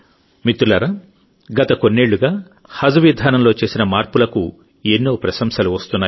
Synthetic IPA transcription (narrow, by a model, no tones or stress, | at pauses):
mit̪ɾulɐɾɐ | ɡɐt̪ɐkonːeːɭːuɡaː | hɐd͡ʒɐʋid̪ʱaːnɐmlo̞ːt͡ʃe̞ːsinɐmaːɾpulɐku | enːo̞ːpɾɐsɐmsɐluʋɐst̪unːaː